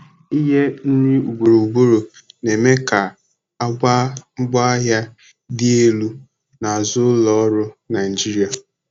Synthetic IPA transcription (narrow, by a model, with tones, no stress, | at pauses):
i˦ɦe˦n̩˦nɪ˦u˨ɡ͡bo˨ɾo˨u˨ɡ͡bo˦ɾo˨ne˨me˦ka˨ | a˦ɡ͡bʷa˦ŋ͡m̩˦ɡ͡ba˦ɦa˦ | dɪ˦e˦lu˦ | na˨a˨zʊ˦lɔ˦ɾʊ˦na˨ɪ˨d͡ʒi˦ɾi˨a˨